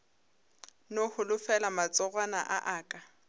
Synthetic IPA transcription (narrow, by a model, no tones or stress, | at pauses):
nohʊlʊfɛlamat͡sʼɔɣwana̰ʔaʔaːkʼa